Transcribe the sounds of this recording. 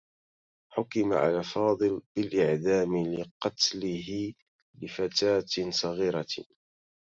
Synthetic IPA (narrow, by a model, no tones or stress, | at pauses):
ħʊkɪma̰ʕa̰lafɑːd̪ˤɨlɪlʔɪʕd̪aːmlɪqɑt̪lɪɦɪ | lɪfat̪aːt̪sˤɑɣiːɾa